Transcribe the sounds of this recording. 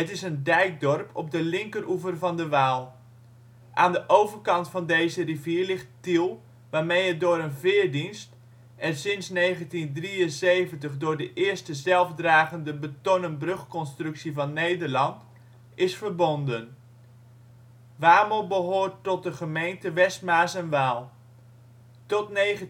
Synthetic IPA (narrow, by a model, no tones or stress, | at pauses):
ɦətɪsəndɛjk̚dɔrpʰɔ̰b̚dəlɪŋkərʔuvərvɑndəʋaːlˠ | ʔaːndəʔowvərkɑntfɑndejzəriviːɹlɪχttilˠ | ʋaːɹmejɦət̚dʊːɾənvɪːɹdinst | ɛnsɪnsnejχəntindriənsejvəntəχdʊːɹdəʔɪəɹstəzɛlˠvdraːɣəndəbətɔnənbrɵχkɔnstrɵksivɑnːejdəɹlɑnt | ɪsfəɹbɔndən | ʋaːməlˠbəɦoːɹtɔt̚dəχəmejntəʋɛstmaːsənʋaːlˠ | tɔtneə